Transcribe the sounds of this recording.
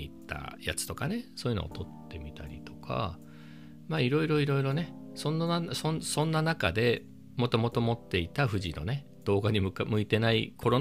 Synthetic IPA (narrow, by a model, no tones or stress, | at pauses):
it̪ːa̰ja̰t͡sɨ̥t̪o̞kane̞so̞ːjiɯ̟no̰o̰t̪o̞t̪ːe̞mʲit̪ʰa̰ɾʲḭt̪o̞̥kʰa̰ | maːiɾo̞iɾo̞iɾo̞iɾo̞ne̞ | sõnːasonsõ̞nːanaka̰d̪e̞ | mo̞t̪o̞mo̞t̪o̞mo̞t̪ːe̞it̪aɸɯ̟ʑino̞̰ne̞ | d̪̥o̞ːɡaɲ̟imɯ̟kamɯ̟it̪e̞naḭkʰo̞ɾo